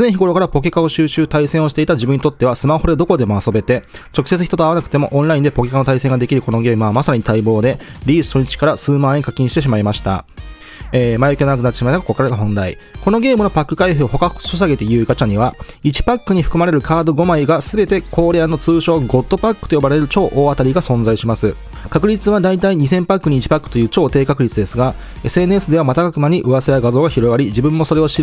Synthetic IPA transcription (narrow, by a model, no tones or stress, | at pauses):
nẽ̞çiɡo̞ɾo̞kaɾapo̞kʲe̞kao̞ɕɨːɕɨːt̪aisẽɰ̃o̞ɕi̥t̪e̞it̪ad͡ʑibɯ̟ɲ̟it̪o̞t̪ːe̞βasɨmaho̞ɾed̪o̞ko̞d̪e̞mo̞aso̞be̞t̪e̞ | t͡ɕo̞kɯ̟̥se̞t͡sɨçi̥t̪oaβanakɯ̥t̪e̞mo̞ʔõnɾaĩnd̪e̞po̞kʲe̞kanot̪aisẽŋɡad̪e̞kʲiɾɯ̟ko̞no̞ɡe̞ːmɯ̟βamasaɾaɲ̟it̪aibo̞ːd̪e̞ɾʲiːsɨ̥t̪oɲ̟it͡ɕi̥kaɾasɨːmãːeɲŋkakʲːĩɕi̥t̪e̞ɕ̬imaimaɕi̥t̪a̰ | eːmajokʲieonakɯnat̪ːɕimat̪ːaɡkakokːaɾɡ̪aɦõ̞nɾaḭ | ko̞no̞ɡe̞ːmɯno̞pakːɯ̟kaiɸɯo̞ɦokaɕos̬aɡe̞t̪e̞jɯ̟ːiɡat͡ɕaɲ̟iβait͡ɕi̥pakːɯ̟ɲ̟iɸɯ̟kɯ̟maɾe̞ɾɯ̟kaːd̪o̞ɡo̞maiɡasɨbe̞t̪e̞kʰo̞ːɾe̞anːo̞t͡sɨːɕo̞ːɡo̞t̪ːo̞pakːɯ̥t̪ojobaɾe̞ɾɯ̟t͡ɕo̞ːʔoːat̪aɾʲiɡasõ̞nzaiɕimasɨ | kakɯ̟ɾʲit͡sɨβad̪ait̪aiɲ̟isẽ̞mpakːɯ̟ɲ̟iːt͡ɕi̥pakːɯ̟̥t̪o̞jɯ̟ːt͡ɕo̞ːt̪e̞ːkakɯ̟ɾʲit͡sɨd̪e̞sɨɡa | e̞sɨe̞nɯ̟e̞sɨd̪e̞β̞amat̪akakɯ̟maɲ̟iʔɯ̟βasejaɡazo̞ːɡaçiɾo̞ɡaɾʲid͡ʑibɯ̟̃mːo̞so̞ɾe̞o̞ɕiɾ